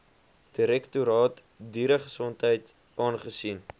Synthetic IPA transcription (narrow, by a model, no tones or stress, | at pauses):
d̥iɾɛktuɾɑːt | diːɾəχəsɔntɦəjt | ʔɑːnχəsin